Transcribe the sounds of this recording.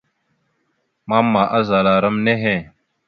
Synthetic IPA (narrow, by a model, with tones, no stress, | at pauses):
maː˦mːaː˨ʔɐ˦zaː˨laː˨ɾɐmneɦẽː˨